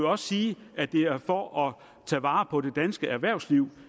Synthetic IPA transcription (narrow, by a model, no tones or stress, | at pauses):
jɒ̽ssiːæd̥e̝æɐfɒʔɒ | t͡sʰɛ̰ːʋɑ̈ːpʰɒ̽ɾ̥e̝d̥ænsɡ̥əʔæɐʋæɐ̰ʊsliʊ̰